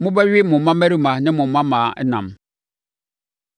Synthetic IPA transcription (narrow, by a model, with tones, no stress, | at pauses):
mʊ̃˦bɛ˦ɥɪ˦mʊ̃˨m˨mã˦mæ˦ɾi˦˨mã˨nɪ̃˦mʊ̃˨m˨mã˦mãː˨ɛ˦nã̰˨m